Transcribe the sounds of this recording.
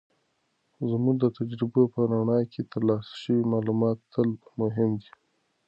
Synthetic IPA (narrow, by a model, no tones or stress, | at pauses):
zmud̪ət̪ad͡ʒɾɪbopəɾaɳɑjkʰet̪aɾlɑsʃəwimɑːlumɑt̪ːəlmʊɦɪmd̪i